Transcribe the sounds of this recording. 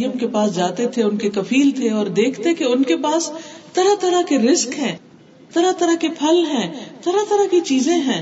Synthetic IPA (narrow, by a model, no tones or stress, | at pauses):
jəmkepaːsd͡ʒaːt̪et̪ʰeʊnkekɐfʰiːlt̪ʰeɔːɾd̪eːkʰt̪ekeʊnkepaːst̪ɐɾat̪ɐɾakeɾɪzkɦɛ̃ː | t̪ɐɾat̪ɐɾakepʰɐlɦɛ̃ːt̪ɐɾat̪ɐɾakit͡ʃiːzẽɦɛ̃ː